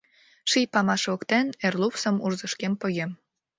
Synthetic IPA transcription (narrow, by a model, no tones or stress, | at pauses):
ʃijpɑmɑʃokt̪enerlupsəmurzəʃkempəɣem